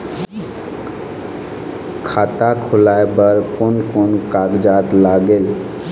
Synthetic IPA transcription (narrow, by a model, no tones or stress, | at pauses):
kʰat̪akʰʊlaebəɾkonkonkaɡd͡ʒat̪laɡel